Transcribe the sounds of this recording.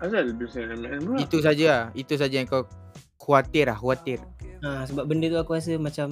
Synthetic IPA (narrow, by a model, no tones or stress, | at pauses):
azaləbisaanananbuit̪us̬ad͡ʒait̪us̬ad͡ʒajaŋkaw | kʰuat̪ɪrahkuat̪ɪrasəbap̚bəndət̪uakuas̬əmãt͡ʃam